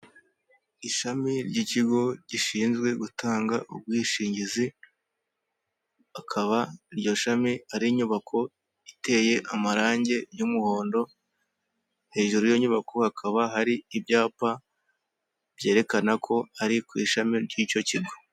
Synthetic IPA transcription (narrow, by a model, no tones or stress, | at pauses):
iʃamiɾɟiːciɡo̞ɟiʃiːnzɡwe̞ɡutaːŋɡaʔṵb̚ɡwiːʃiːɲɟizi | akʰaβaɾjo̞ʃamiaɾiɲuβakʰo̞ | ite̞ːje̞ʔamaɾaːɲɟe̞jumuho̞ːndo̞ | he̞ːʒuɾujoɲuβakohakʰaβahaɾiːbɟaːpa | b̥je̞ːɾe̞kanakʰo̞aɾikwiːʃamiɾɟiːco̞ciɡo̞